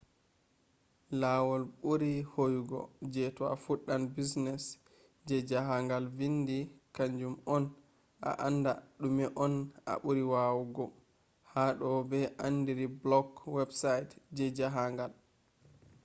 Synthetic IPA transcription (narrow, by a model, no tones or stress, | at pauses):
lawɔlɓuɾihojɡɔ̰d͡ʒɛtɔa̰fuɗːanbisnɛs | d͡ʒɛd͡ʒaɦaŋɡalvindikaɲd͡ʒumɔn | ʔa̰ʔanda̰ɗumɛʔɔnʔa̰ɓuɾiwawɡɔ | haɗɔbɛʔanːdiɾiblɔɡwɛbsajtd͡ʒɛd͡ʒaɦaŋɡal